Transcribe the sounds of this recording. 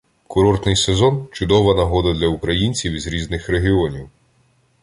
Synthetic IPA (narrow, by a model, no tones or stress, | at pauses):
kʊɾɔrt̪nɪjsezɔnt͡ʃʊd̪ɔʋɐnɐɦɔd̪ɐd̪lʲɐukɾɐjinʲt͡sʲiwizɾʲiznɪxɾeɦiɔnʲiw